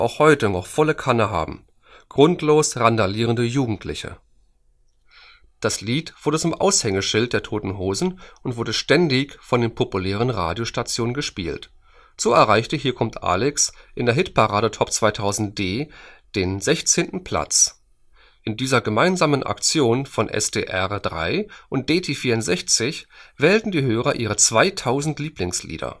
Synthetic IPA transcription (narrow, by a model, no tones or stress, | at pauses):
ʔa̰ʊxhɔʏtənɔχfɔləkʰanəɦa̰ːbm̩ | ɡ̥ʁʊntʰloːsʁandaliːʁəndəjuːɡŋ̩tʰlɪ̰çə̰ | d̥asliːtv̥ʊɐdət͡sʊmʔa̰ʊshɛŋəʃɪlt̚d̥eːɐtʰoːtn̩ɦoːzn̩ʔʊntv̥ʊɐdəʃtɛndɪçfɔndeːnpʰopulɛːʁ̞ənʁa̰ːdjoʃtat͡sjoːnənɡəʃpiːlt | z̥oːɛɐʁaɪçtəɦiːɐkʰɔmtʔa̰ːlɛksʔɪndeːɐɦɪtpʰaʁaːɾətʰɔpt͡sv̥aɪtʰaʊzn̩t̚d̥eːd̥eːnzɛçt͡seːntn̩pʰl̥a̰t͡s | ʔɪndiːzɐɡəmaɪnzaːmənʔa̰kt͡sjoːnfɔnʔɛ̰stʰḛːʔɛʁd̥ʁa̰ɪʔʊnt̚d̥eːtʰeːfiːɐʊntz̥ɛçt͡sɪçv̥ɛːltn̩diːɦøːʁɐʔiːʁ̞ət͡sv̥aɪtʰaʊzn̩tliːplɪŋslḭːdɐ̰